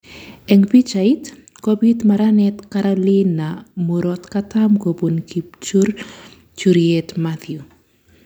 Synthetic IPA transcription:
ɛŋpit͡ʃait | kobit̪maɾanɛtkaɾalinːamuɾɔtkatamkobonkʰipt͡ʃuɾ | t͡ʃuɾjɛtmat̪ju

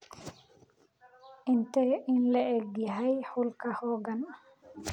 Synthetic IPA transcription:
ʔintɛʔinlɛʔeɡːiɦajhulkahɔɡan

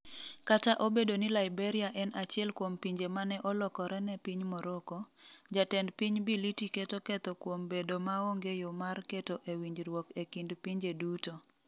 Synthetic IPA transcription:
kataʔobedonɪlaibeɾiaʔɛnat͡ʃɪɛlkwompiɲd͡ʒemanɛʔɔlɔkɔɾɛnɛpiɲmɔɾɔkɔd͡ʒatɛndpiɲbilitiketokɛt̪ɔkwombedomaoŋɡejomarketoʔewiɲd͡ʒɾwɔkekindpiɲd͡ʒeduto

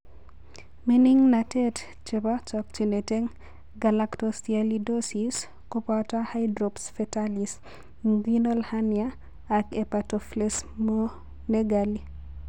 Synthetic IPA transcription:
miniŋnatet | t͡ʃebat͡ʃɔk̚t͡ʃineteŋ | ɡalaktostialidosis | kopatahajdɾopsfɛtalis | ŋɡinolhanjaː | kepatɔflesmo | neɡali

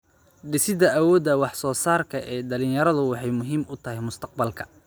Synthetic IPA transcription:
ɖɪsɪd̪ɐɐwɔːd̪ɐwɑħsɔːsaːrkʰɐʔɛːɖɐlɪ̃njɐɾɐðʊwɑħɑjmʊɦiːmʊt̪ʰɐɦɛjmʊst̪ʰɐq̚bɐlkʰɐ̥

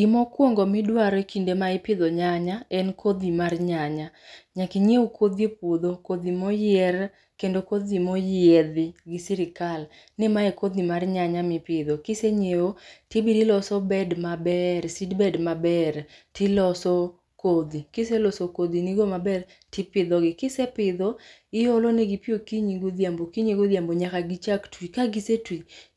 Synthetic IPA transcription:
ɡimɔkwoŋɡɔmɪdwaɾɔekindemaɪpɪd̪ɔɲaɲaɛnkʰod̪imarɲaɲaɲakiɲeokʰod̪jepwod̪okod̪imojɪɛr | kendokod̪imojɪɛd̪ɪɡɪsiɾɪkal | nɪmaekod̪imarɲaɲamɪpɪd̪okɪseɲeotɪbiɾilɔsɔbɛdmabɛrsidbɛdmabɛrtɪlɔsɔ | kod̪ikɪselɔsokod̪iniɡomabɛr | tɪpɪd̪ɔɡɪkɪsɛpɪd̪ɔ | ɪjoloneɡipjokiɲiɡod̪jambokiɲiɡod̪iamboɲakaɡit͡ʃaktwikaɡisetwi

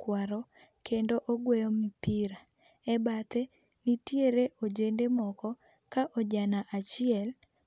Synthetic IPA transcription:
kwaɾɔkʰendoʔoɡwɛjɔmipiɾa | ɛbat̪e | nitjeɾeʔod͡ʒendemɔkɔ | kaʔɔd͡ʒanaʔat͡ʃɪɛl

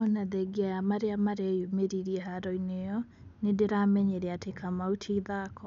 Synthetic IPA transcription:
ɔnaðɛɡeajamaɾeamaɾeajomeɾiɾiɛɦaɾɔinejɔ | nedeɾamɛɲeɾɛatekʰamautʰiiðakɔ

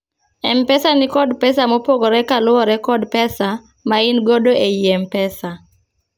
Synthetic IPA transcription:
ɛmpɛsanɪkɔdpɛsamɔpoɡɔɾɛkalʊɔɾɛkɔdpɛsa | mainɡodoejiempɛsa

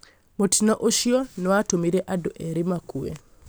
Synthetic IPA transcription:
motinɔʔoʃiɔnɔwatomiɾɛʔado̰ʔeɾimakuḛ

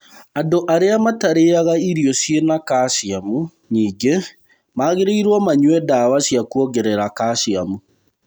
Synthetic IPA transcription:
andoʔaɾeamataɾeaɣaiɾiɔsjenakasiamu | ɲiːŋɡe | maɣeɾeiɾwɔmaɲwɛdawasjakuɔɡɛɾɛɾakaɕiamu

